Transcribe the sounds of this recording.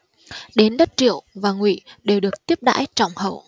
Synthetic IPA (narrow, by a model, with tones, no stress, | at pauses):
ɗe˨˦nɗə˦˥t̚t͡ɕḭ˧˨əwvaː˨˩ŋwḭ˧˨ɗe˨˩wɗɨ˨˩ək̚t̪i˦˥əp̚ɗa̰ː˧˥jt͡ɕɔ˧˩wŋ͡mhə̰˧˩˨w